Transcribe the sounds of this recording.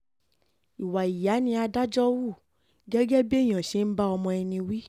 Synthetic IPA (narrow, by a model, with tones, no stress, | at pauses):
i˨wa˨i˨ja˨˦nĩ˧a˧da˦d͡ʒɔ˦wu˦˨ | ɡɛ˦ɡɛ˦be˦j̃ɔ̃˨ʃe˨˦n̩˦ba˦ɔ˧mɔ̃˧ɛ˧nĩ˧wi˦